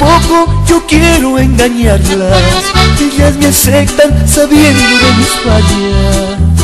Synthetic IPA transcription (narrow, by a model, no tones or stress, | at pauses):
poko̞ʝo̞kjeɾoe̞ŋɡaɲaɾlaseʎasmeasek̚t̪ansaβje̞nd̪o̞ðemispaʎa